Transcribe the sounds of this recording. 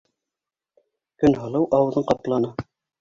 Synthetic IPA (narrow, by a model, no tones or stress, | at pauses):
kɵnɦɤ̆lˠɤwʔɑwɤ̆ðɤɴqɑt̪lˠɑnɤ